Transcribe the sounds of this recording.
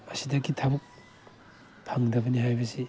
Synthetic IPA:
mɐsidɐkitʰabɐk̚ | pʰaŋdɐbɐnihajbɐsi

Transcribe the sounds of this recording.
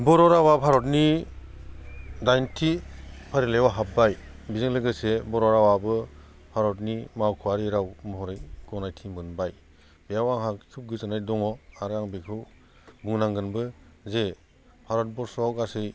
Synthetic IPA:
bɔɾɔɾawapʰaɾɔtni | dajntʰipʰaɾilewaɦap̚bajbizɯŋlɯɡɯsebɔɾɔɾawabɯ | pʰaɾɔt̚nimawkʰuwaɾiɾawmɔɦɔɾɯjɡ̥ɔnajtʰimɯnbaj | bijawaŋɦak̚sʰup̚ɡɯzɯnajdɔŋɔaɾaŋbekʰɯw | buŋnaŋɡɯnbɯze | pʰaɾɔt̚bɔɾsɔawkasɯj

